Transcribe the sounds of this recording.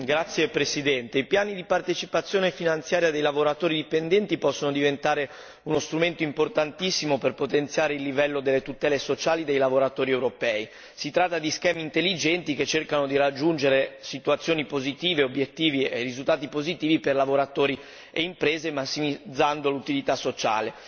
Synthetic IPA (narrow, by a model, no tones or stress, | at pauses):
ɡɾat̪sːjepɾesid̪ɛnt̪eipjaːnid̪ipart̪et͡ʃipat̪sːjoːnefinant̪sjaːɾjad̪ejlavoɾat̪oːɾid̪ipend̪ɛnt̪ipɔsːonod̪ivent̪aːɾe | unost̪ɾument̪oimport̪ant̪isːimoperpot̪ent̪sjaːɾeilːivɛlːod̪elːet̪ut̪ɛːlesot͡ʃaːlid̪ejlavoɾat̪oːɾiɛwɾopɛːi | sit̪ɾat̪ːad̪iskɛːmiːnt̪elːid͡ʒɛnt̪iket͡ʃːerkanod̪iɾad͡ʒːund͡ʒeɾesit̪uat̪sːjoːnipozit̪iːveobjet̪ːiːviḛrizult̪aːt̪ipozit̪iːviperlavoɾat̪oːɾi | eimpɾeːzemasːimid̪zːand̪olut̪ilit̪asːot͡ʃa̰ːle